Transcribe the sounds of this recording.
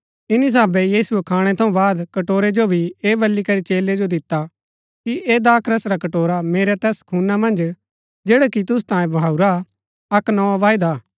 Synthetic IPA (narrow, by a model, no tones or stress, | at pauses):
ɪnis̬aːbɛjiːsʊɛkʰaːɽ̃ɛt̪ʰɐ̃ũbaːd̪kɐʈoːɾed͡ʒobʱieːbɐlːikɐɾit͡ʃeːled͡ʒod̪ɪt̪ːa | kiʔeːd̪aːkʰɾɐsɾakɐʈoːɾameːɾɛt̪ɛːskʰuːnamɐ̃nd͡ʒ | d͡ʒeːɽakit̪̬ʊs̬t̪ãːjẽbaːuɾa | ɐknɔaʋaːɪd̪aː